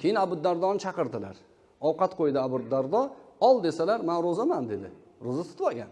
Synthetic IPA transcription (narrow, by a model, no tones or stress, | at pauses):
kʲʰejɪnabʊd̪ːaɾd̪ɒnɪt͡ʃʰɑqɨɾd̪ɪla̰ɾ | ɒwqɑt̪qʰojd̪ɪabʊɾd̪ːaɾd̪ɒɒlˠd̪e̞salaɾmanɾozamand̪e̞d̪ɪ | ɾozat̪ʰʊ̥t̪wɒɡʲa̰n